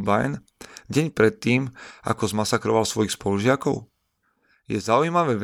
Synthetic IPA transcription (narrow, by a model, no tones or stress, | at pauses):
bajn | ɟɛɲpɾɛt̪ːiːma̰kɔzmasakɾɔʋalsʋɔjixspɔluʒɪakɔʊ | jɛzaujmaʋɛʋ